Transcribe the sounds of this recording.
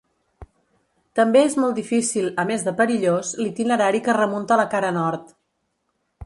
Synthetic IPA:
t̪əmbeezmɔlˠd̪ifisilˠəmezðəpəɾiʎozlit̪inəɾaɾikərəmunt̪ələkaɾənɔɾt̪

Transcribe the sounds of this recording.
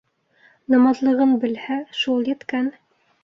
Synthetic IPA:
nɑmɑzlˠɤ̆ʁɤnbɘ̆lhæʃulˠjɘ̆t̪kæn

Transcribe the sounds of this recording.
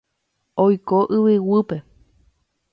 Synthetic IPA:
ojkoʔɨʋɨwɨpe̞

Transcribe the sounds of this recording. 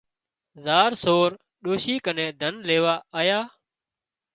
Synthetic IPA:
zaːɾsoːɾ | ɗoːʃiːkənẽːd̪ʱənleːʋaːaːjaː

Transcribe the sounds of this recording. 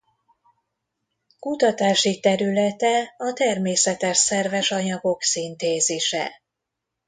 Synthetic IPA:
kut̪ɒt̪aːʃit̪ɛɾylɛt̪ɛɒt̪ɛrmeːsɛt̪ɛʃsɛrvɛʃɒɲɒɡo̞ksint̪eːzeːʃɛ̰

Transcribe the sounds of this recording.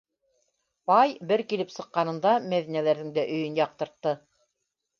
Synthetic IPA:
pɑjbɘɾkilɘpsɤ̆qːɑnɤ̆nd̪ɑmæðinælæɾðɘŋd̪æʔɵ̆jɵnjɑq̚t̪ɤ̆ɾt̪ːɤ

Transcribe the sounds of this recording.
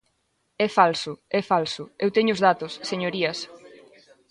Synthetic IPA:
ɛfalsʊɛfalsʊewt̪eɲʊzðat̪ʊsːeɲoɾiɐs

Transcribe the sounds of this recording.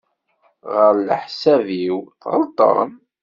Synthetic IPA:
ʁəɾlə̰ħsæviwθʁə̰lt̪ˤə̰ɾˤm

